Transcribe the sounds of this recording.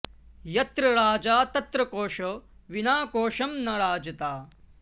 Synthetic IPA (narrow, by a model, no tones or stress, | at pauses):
jɐt̪ɾɐɾaːd͡ʒaːt̪ɐt̪ɾɐkoːʃoʋinaːkoːʃɐmnɐɾaːd͡ʒɐt̪aː